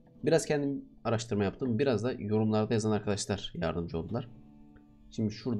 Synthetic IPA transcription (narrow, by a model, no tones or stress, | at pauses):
biɾazcʰɛnd̪im | aɾaʃt̪ʰɯɾmajapt̪ʰɯmbiɾazd̪ajo̞ɾumlˠaɾd̪ajazanaɾkʰad̪aʃlˠaɾ̥ja̰ɾd̪ɯmd͡ʒɯo̞lˠd̪ulˠaɾ̥ | ʃimd̪iʃuɾd̪